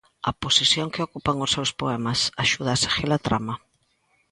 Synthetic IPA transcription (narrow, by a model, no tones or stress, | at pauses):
ɐposisjoŋkɪokupaŋʊsːewspoɛmɐsaʃuð̞aːsḁxelat̪ɾa̰mɐ